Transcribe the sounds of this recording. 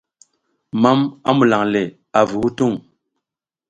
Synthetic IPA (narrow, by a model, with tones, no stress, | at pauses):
ma˦ma̰˦mu˨la˨ŋle˨ | a˨vu˨hu˦tu˦˨ŋ